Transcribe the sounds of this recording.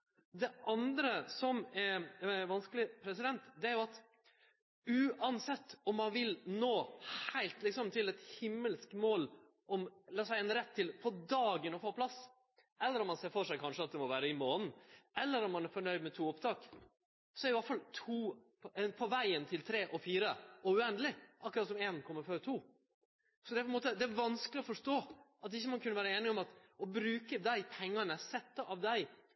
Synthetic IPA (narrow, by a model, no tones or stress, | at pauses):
d̪ɛʔɑnd̪ɾəsɔmɛɾɛʋɑnskəlɪpʰɾɛsɪd̪ɛnt̪d̪ɛæɾjʊɑt̪ | ʉːɑnsɛt̪ːɔmːɑnʋɪlnoːhæɪlt̪lɪksɔmt̪ʰɪlɛt̪hɪmːəlskmoːl | ɔmlɑsæɪɛnɾɛt̪ʰːɪlfoːd̪ɑːɡənɔfoːpʰlɑs | ʔɛlːəɾɔmːɑnseːɾfɔʂæɪkʰɑnʂəɑt̪̚d̪ɛmɔʋæːɾəɪmoːnn̩ɛlːəɾɔmːɑnæɾfɔɳœʏd̪mɛt̪ʰuːɔpt̪ʰɑːk | sɔɛɾɪɑt̪fɑlt̪ʰuː | ɛpʰɔʋæɪənt̪ʰɪlt̪ʰɾeːʔɔfiːɾəɔʉɛnd̪əlɪʔɑkːɾɑt̪sɔmeːnkʰɔmːəɾføːɾt̪ʰuː | sɔd̪ɛæpʰɛnmoːt̪əd̪ɛæɾʋɑnskəlɪɔfɔʂt̪oːɑt̪ɪçːəmɑnkʰʉnːəʋæːɾəeːnɪɔmɑt̪ɔbɾʉːkəd̪æɪpʰɛŋːɑnəsɛt̪ːɑʔɑʋd̪æɪ